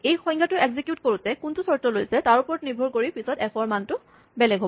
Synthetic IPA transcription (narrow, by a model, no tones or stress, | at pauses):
ejxɔ̃jŋɡatʊeɡzikjutkoɹutɛkuntusɔɹtɔlojsɛtaɹupɔɹɔtniɹbʱɔɹkoɹipisɔtɛpʰɔɹmantʊ | bɛlɛɡʱɦobɔ